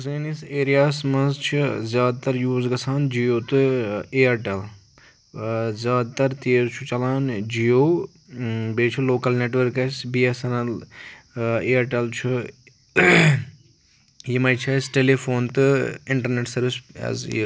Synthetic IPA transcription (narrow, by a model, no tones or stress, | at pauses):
zɐniseːɾijaːsmɐ̃nzt͡ʃʰizʲjaːd̪̚t̪ɐɾjuːzɡɐsaːnd͡ʒijoːt̪ɨeːɐʈel | zjaːd̪̚t̪ɐɾt̪eːzt͡ʃʰut͡ʃɐlaːnd͡ʒiːjoː | beːt͡ʃʰuloːkɐlneːʈʋɐɾkɐsbiːesɐnɐl | eːɐʈelt͡ʃʰu | jimɐjt͡ʃʰɐsʈeːlefoːnt̪ɨɪɳʈɐɾneːʈsɐɾʋisz